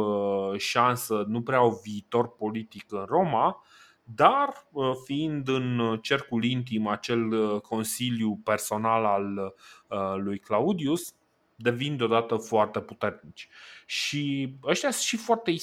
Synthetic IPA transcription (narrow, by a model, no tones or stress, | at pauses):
ʃansənupɾeauviːt̪o̞rpo̞lit̪ikɨnro̞ma | d̪arəfiind̪ɨnt͡ʃe̞rkulint̪̬imat͡ʃe̞lkʰo̞nsiljupe̞rso̞nalal | ujklaud̪ius | d̪e̞vind̪eod̪at̪əfoart̪e̞put̪e̞rnit͡ʃʲʃiəʃt̪jasʃifoart̪ei